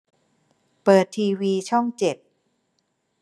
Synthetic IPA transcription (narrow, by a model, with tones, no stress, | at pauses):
pɤː˨˩t̪ʰːiː˧wiː˧t͡ɕʰɔ˥˩ŋt͡ɕe˨˩t̪̚